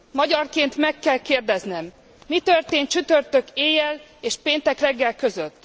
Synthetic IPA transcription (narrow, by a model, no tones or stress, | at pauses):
mɒɟɒrkeːnt̪mɛkːɛlkeːrd̪ɛznɛmː | it̪ørt̪eːn̚t͡ʃyt̪ø̞rt̪ø̞keːjɛleːʃpeːnt̪ɛkrɛɡːɛlkø̞zøt̪ː